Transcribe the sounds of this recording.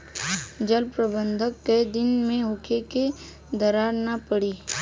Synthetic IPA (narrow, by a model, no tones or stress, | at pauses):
d͡ʒəlpɾəbə̃nd̪ʱəkːed̪ɪnmẽɦʊkʰeke | d̪əɾaːɾnapəɽiː